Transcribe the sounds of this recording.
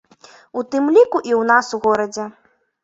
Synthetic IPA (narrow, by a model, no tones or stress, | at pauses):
ut̪ɨmlʲikuʔiwnasuɣɔɾɐd͡zʲɛ